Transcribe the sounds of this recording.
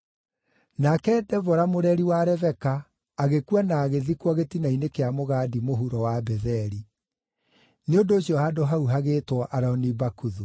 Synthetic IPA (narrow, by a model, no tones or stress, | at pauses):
nakɛdɛvɔɾamoɾɛɾiwaɾɛvɛkaː | ɣekuanaːɣeðikwɔɣetinainekeamoɣaːdimoɦuɾɔwabɛðɛɾi | neondoːɕiɔhadoɦauɦaɣeːtwɔʔaɾaɔnibakuðu